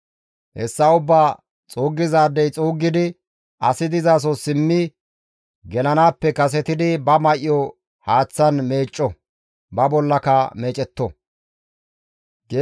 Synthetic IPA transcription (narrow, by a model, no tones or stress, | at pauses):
hɛ̰sːɐʊbːaː | t͡sʼoːɡːɪzaːd̪ːɛjt͡sʼuːɡːɪd̪ɪ | ʔɐ̰sɪd̪ɪzaːs̬ɔsɪmːɪ | ɡɛlɐnaːpːɛkɐs̬ɛt̪ɪd̪ɪbɐmɐʔjɔ | haːt͡sːɐnme̞ːt͡ʃʼːɔ | bɐbɔlːɐkɐme̞ːt͡ʃʼɛt̪ːɔ | ɡeː